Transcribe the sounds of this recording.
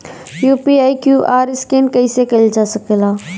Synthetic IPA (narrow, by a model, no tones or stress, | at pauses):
juːpiːaːikjuːʔaːɾɪskeːnkɐisekɐld͡ʒaːsəkelaː